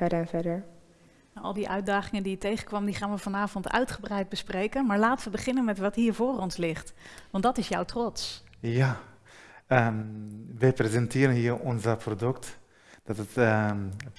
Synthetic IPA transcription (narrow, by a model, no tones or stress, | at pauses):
ɛdəɹɛnfɛdəɹ | aʔɑ̰lˠdiʔœɥt̚daːχɪŋəndijətejχənkʋɑmdiχaːnʋəvɑnaːvɔntʰœ̰ɥtχəbrɛjd̚bəsprejkənmaːɹlaːtəʋəbəχɪnənmɛtʋɑtɦiːɹvʊːrɔnslɪχtʋɑntdɑtɪsjɔwtrɔts | ja | ə | ʋəprezɛntʰɪəɾənhiːərɔnzəpʰrodʉkt | d̥ɔtət